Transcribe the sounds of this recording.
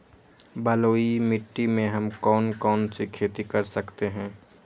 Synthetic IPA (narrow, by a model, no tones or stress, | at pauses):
bɐloːimɪʈːimẽɦɐmkɔːnkɔːnsikʰeːt̪ikɐɾsəkt̪eɦɛ̃ː